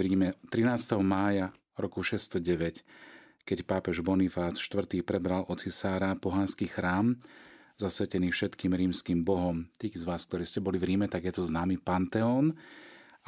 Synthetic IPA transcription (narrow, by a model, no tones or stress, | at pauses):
ɾiːmɛt̪ɾinaːst̪ɛɦɔmaːja | ɾɔkuʃɛst̪ɔɟɛʋɛc | kɛcpaːpɛʒbɔnifaːsʃt̪ʋr̩t̪iːpɾɛbɾalʔɔt͡sisaːɾapɔɦanskiːxɾaːm | zasʋɛcɛniːfʃɛt̪kiːmɾiːmskiːmbɔɦɔmt̪iːzʋaːsk̚t̪ɔɾiːscɛbɔlivɾiːmɛt̪aɡjɛt̪ɔznaːmipant̪ɛɔːn